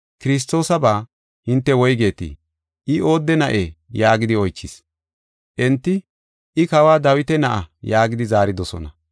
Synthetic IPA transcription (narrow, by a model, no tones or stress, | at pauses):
kɪɾɪs̬t̪ːo̞ːsɐbaː | hɪnt̪ːɛwɔjɡe̞ːt̪ḭ | ʔɪo̞ːd̪ːɛnɐʔejaːɡɪd̪ɪɔjt͡ʃːɪs | ʔɛnt̪ːɪ | ʔɪkɐwaːd̪ɐwɪt̪ɛnɐʔɐjaːɡɪd̪ɪzaːɾɪd̪ɔsɔ̰nɐ